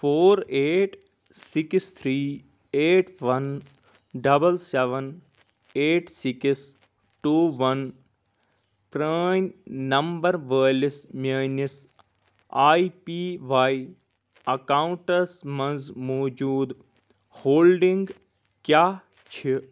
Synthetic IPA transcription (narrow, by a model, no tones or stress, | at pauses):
foːɾeːʈ | sikst̪ʰɾiː | eːʈʋɐn | ɖɐbəlseʋən | eːʈsiks | ʈuːʋɐn | pɾaːnnɐmbɐɾʋəːlisməːnis | aːipiːʋaːi | ɐkaːũɳʈɐsmɐnzmoːd͡ʒuːd̪ | hoːlɖĩŋɡ | kjaː | t͡ʃʰi